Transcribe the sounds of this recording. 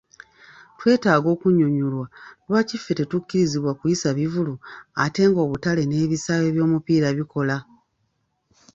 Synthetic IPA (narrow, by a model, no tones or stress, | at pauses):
twe̞ːtaːɡo̞ːkuɲuɲulwadwaːcifːe̞te̞tucːiɾiziβwakujisaβivuluate̞ːŋɡo̞ːβutale̞ne̞ːβisaːje̞βjo̞ːmupiːɾaβiko̞la